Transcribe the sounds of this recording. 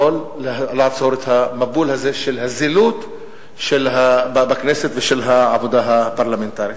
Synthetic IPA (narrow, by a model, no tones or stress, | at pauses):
olːlaʕvsoɾet̪hamabulhazeʃelɦazilut̪ | ʃelɦabbakneset̪veʃelɦaʕabod̪aɦapaɾlament̪aːɾji